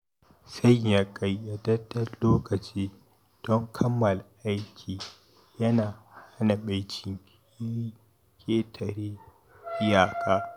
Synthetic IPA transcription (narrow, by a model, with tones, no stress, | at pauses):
sɐ˦jja˨kʼa˨jːa˨dɐ˦dɐ˦rloː˦kɐ˨t͡ʃiː˦ | d̥ɔ˦ŋkʰɐ˦mːɐ˨lʔa˦jkʲʰiː˨ | jɐ˦naː˨ha˦na˨ɓa˦jt͡ʃɪ˨ŋkʲ | kʲʰʼeː˦tʰɐ˨ɽeː˦ | ʔɪ˦jaː˨kʼaː˦